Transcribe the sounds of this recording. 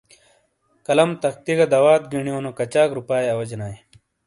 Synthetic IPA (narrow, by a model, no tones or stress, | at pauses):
kɐlɐmt̪ɐxt̪iɡɐd̪ɐwaːt̪̚ɡiɳioːnokɐt͡ɕaːkɾupaːjɐwɐd͡ʑenaːj